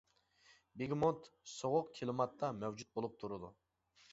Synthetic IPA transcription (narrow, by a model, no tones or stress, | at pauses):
beɡʲmont̪soʁʊqkʲʰelɪmɑt̪ːɑmæwd͡ʒut̪̚bolˠup̚t̪ʰuɾud̪ṵ